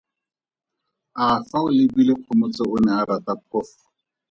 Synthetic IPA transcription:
afaʊlɪbileq͡χʰʊmʊt͡sɔʊnɛaɾatap̚ʰɔːfɔ̥

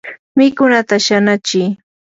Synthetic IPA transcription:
mɪkʊnat̪aʃanat͡ʃɪː

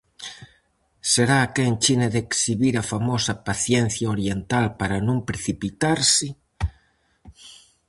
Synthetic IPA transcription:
seɾaːkent͡ʃineðeksiβiɾafamosapaθjen̟θjaoɾjent̪alpaɾanõmpɾeθipit̪aɾsɪ

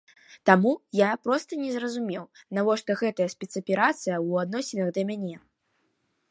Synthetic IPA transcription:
t̪amujapɾɔst̪ɐnʲɛzrɐzumʲɛwnavɔʂt̪ɔɣɛt̪ɐjɐsʲpʲɛt̪sɐpʲɛɾat̪sɨjɐwad̪nɔsʲɪnɐɣd̪ɐmʲanʲɛ

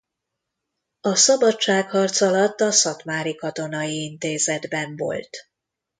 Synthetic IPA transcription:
ɒsɒbɒt͡ʃt͡ʃaːkhɒrt̪sɒlɒt̪ːɒsɒk̪maːɾikɒt̪o̞nɒjiint̪eːzɛd̪bɛɱvo̞̰lt̪

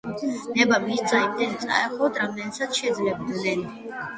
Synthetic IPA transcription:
nɛbamisd̪zaimd̪ɛnsʼa̰ɛχɔd̪ɾamd̪ɛnsat̪ʰʃɛd̪zlɛbd̪nɛn

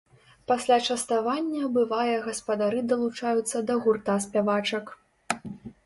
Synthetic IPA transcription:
pasʲlʲat͡ʂɐst̪avanʲːɐbɨvajɐɣɐspɐd̪aɾɨd̪ɐlˠut͡ʂajut̪sːɐd̪ɐɣurt̪asʲpʲavat͡ʂɐk

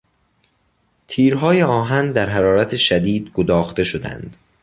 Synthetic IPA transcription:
t̪ʰiːɾɦɒːjeɒːɦænd̪æɾɦæɾɒːɾæt̪ʰeʃæd̪iːd̪ɡod̪ɒːxt̪e̞ʃod̪æ̰nd̪̥

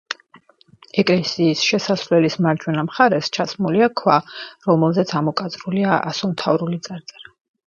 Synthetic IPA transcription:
ɛkʼlɛsiːsʃɛsasvlɛlismaɾd͡ʒwɛnamχaɾɛst͡ʃʰasmuliakʰwaɾɔmɛlˠzɛt̪sʰamɔkʼat̪zʼɾuliaʔa̰sɔmt̪ʰavɾulit̪sʼaɾt̪sʼɛɾa

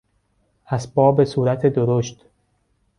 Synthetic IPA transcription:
ʔæsbɒːbesuːɾæt̪ʰed̪oɾoʃt̪

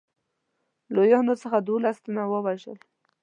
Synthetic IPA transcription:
lojɑnot͡səxad̪olast̪anawəwaʒə̰l

